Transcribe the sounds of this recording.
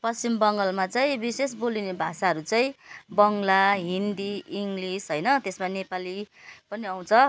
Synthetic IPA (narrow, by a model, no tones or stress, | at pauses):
pʌst͡simbʌŋɡʌlmat͡saĩbisesbolinebʱasaɦʌɾut͡saĩbʌŋlaɦind̪iːŋɡlisɦʌjnʌt̪esmanepalipʌniaw̃t͡sʰʌ